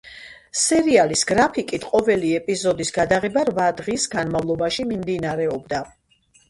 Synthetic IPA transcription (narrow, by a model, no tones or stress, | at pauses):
sɛɾialisɡɾapʰikʼit̪ʰqʼɔvɛliɛpʼizɔd̪isɡad̪aʁɛbaɾvad̪ʁisɡanmavlˠɔbaʃimimd̪inaɾɛɔbd̪a